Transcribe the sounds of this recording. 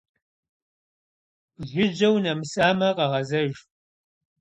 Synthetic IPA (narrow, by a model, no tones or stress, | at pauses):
ʒʷʊd͡ʒɐwnɐmɨsʼaːmɐqɐʁɐzɐʒ